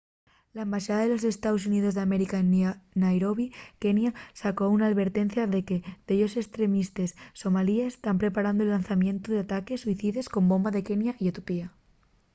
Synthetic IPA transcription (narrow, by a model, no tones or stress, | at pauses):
laẽmbaʃaðaðelo̞se̞st̪aðosuniðo̞zðeame̞ɾikaennajɾoβike̞njasakounaːðβe̞ɾt̪e̞nθjaðe̞ke̞beʎo̞se̞kst̪ɾe̞mist̪esːo̞maliest̪ampɾe̞paɾand̪oelanθamjẽ̞nt̪oðeat̪ake̞sːuiθiðe̞sko̞mbo̞mbaðe̞ke̞njaʔiot̪opia